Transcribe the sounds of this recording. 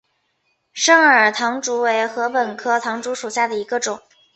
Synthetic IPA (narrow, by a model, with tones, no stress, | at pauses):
ʂɤ˥ŋə˞˨˩t̪ʰɑ˧˥ŋʈ͡ʂu˧˥we˧˥ɪxɤ˧˥pə˨˩nkʰɤ˥t̪ʰɑ˧˥ŋʈ͡ʂu˧˥ʂu˨˩ɕja˥˩d̪ə˩i˧˥ɡə˧ʈ͡ʂʊ˨˩˦ŋ